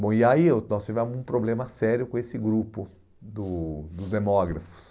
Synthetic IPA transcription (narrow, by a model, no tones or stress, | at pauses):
bõiaiewnɔst͡ʃ̪ivẽmʊzũpɾoblẽmɐsɛɾjʊkõesɪɡɾupʊ | d̪ʊd̪ʊzd̪emɔɡɾɐfʊ̥s